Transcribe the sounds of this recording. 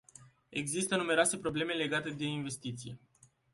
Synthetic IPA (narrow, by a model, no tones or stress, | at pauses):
e̞ɡzist̪ənume̞ɾoase̞pɾo̞ble̞me̞le̞ɡat̪e̞d̪e̞inve̞st̪it̪sije̞